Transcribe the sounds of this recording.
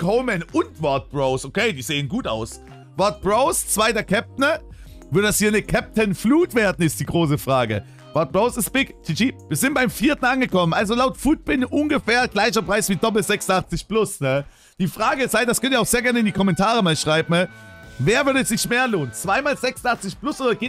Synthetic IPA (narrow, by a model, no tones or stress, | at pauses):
kʰoʊmɛnʔʊntv̥ɔɐt̚b̥ʁoʊsʔokʰeɪdiːzeːənɡuːta̰ʊs | vɔɐt̚b̥ʁoʊst͡sv̥aɪdɐkʰɛp̚tnə | vʏɐdəashiːɐnəkʰɛp̚tənfluːtv̥eːɐdn̩ɪstd̥iːɡʁoːs̬əfʁ̥aːɡə | vɔɐt̚b̥ʁoʊsɪstb̥ɪktʰɪt͡ʃiviːɐzɪntb̥aɪmfiːɐtn̩anɡəkʰɔmənʔalzolaʊtfuːt̚b̥ɪnʔʊnɡəfɛːɐɡ̥laɪçɐpʁ̥aɪsv̥iːdɔpl̩zɛksnaχt͡sɪçplʊsnə | d̥iːfʁ̥aːɡəɪsaɪd̥askʰœntiːɐaʊxz̥eːɐɡɛɐnəɪndiːkʰɔmɛntʰaːʁəmaːlʃʁ̥aɪbm̩ə | veːɐvʏɐdəɛsz̥ɪçmeːɐloːnət͡sv̥aɪmaːlzɛksnʔaχt͡sɪçplʊsʔoːdɐɡe